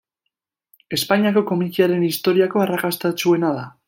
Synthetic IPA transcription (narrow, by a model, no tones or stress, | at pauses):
e̞spaɲiako̞ko̞mikiaɾe̞nist̪o̞ɾiako̞arakast̪at͡ʃue̞naða